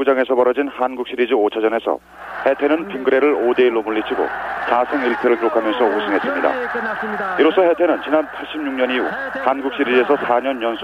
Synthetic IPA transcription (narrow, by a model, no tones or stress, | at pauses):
ud͡ʑaŋe̞sʰʌpʌɾʌd͡ʑinhanɡuk̚ɕ͈iɾid͡ʑiot͡ɕʰad͡ʑʌne̞sʰʌ̰ | he̞tʰe̞nɯnpiŋɡɯɾe̞ɾɯɾode̞iɭːomuɭːit͡ɕʰiɡo̰t͡ɕasʰeŋiɭtʰɯɾɯɭtɯɾokʰamjʌnsʰʌusʰɯŋɦe̞s͈ɯmɲida̰ | iɾos͈ʰʌhe̞tʰe̞nɯnt͡ɕinanpʰaɭɕ͈ʰib̚ɲuŋɲʌniṵ | hanɡuk̚ɕ͈iɾid͡ʑe̞sʰʌsʰaɲʌnːʌnsʰ